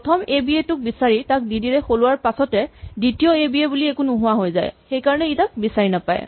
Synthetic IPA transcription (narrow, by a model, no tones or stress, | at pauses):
pɔtʰɔmebietʊk̚bisaɹitak̚didiɹɛxolʊwaɹpasɔtɛdɹitijɔebiebuliekunʊɦʊwaɦojza̰jxejkaɹɔnɛitak̚bisaɹinapa̰j̰